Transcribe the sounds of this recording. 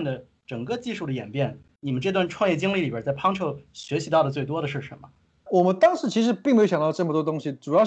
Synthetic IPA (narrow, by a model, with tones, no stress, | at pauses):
nd̪ə˩ | ʈ͡ʂɤ˨˩ŋkɤ˥˧t͡ɕi˥˧ʂu˥˩d̪ə˩jɛ̰˨˩npjɛ˥˩n | ni˨˩mə˦nʈ͡ʂɤ˥˧t̪wa˥˧nʈ͡ʂʰwɑ˥˧ŋjɛ˥˩t͡ɕi˥ŋli˥˩li˨˩bə˥t͡sa˥˩ɪpʰɑ˥ŋʈ͡ʂʰɤ˥˩ʊɕɥɛ˧˥ɕi˧˥t̪ɑ˥˩ʊd̪ə˩t͡swe˥˩ɪwɔ˥ɾə˩ʂɻ̩˥˩ʂə˧˥nmə˧ | wɔ˨˩mə˦nt̪ɑ˥ŋʂɻ̩˧˥t͡ɕʰi˧˥ʂɻ̩˧˥pi˥˩ŋe˥jo˧ʊjɑ˨˩t̪ɑ˥˧ʊʈ͡ʂɤ˥˩mə˩t̪wɔ˥t̪̬ʊ˥ŋɕi˨ʈ͡ʂu˨˩jɑ˥˧ʊ